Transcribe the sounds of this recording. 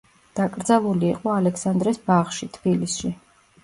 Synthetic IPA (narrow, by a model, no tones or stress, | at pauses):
d̪̥akʼɾd̪zalˠuliːqʼɔalɛksand̪ɾɛsbaʁʃit̪ʰbilisʃi